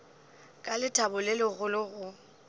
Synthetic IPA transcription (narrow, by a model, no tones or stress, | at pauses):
kʼalɪtʰʼabʊlɛlɔɣʊlɪɣʊ